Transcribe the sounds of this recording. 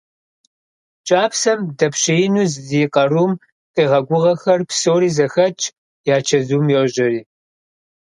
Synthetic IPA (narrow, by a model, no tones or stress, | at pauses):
t͡ʃʼaːpsɐmdɐpɕejɪnuːzziqɐrum | qiːʁɐɡʷʊʁɐxɐrpsoːɾiːzɐxɐt͡ʃʼ | jaːt͡ʃʰɐzuːmjoʒɐɾiː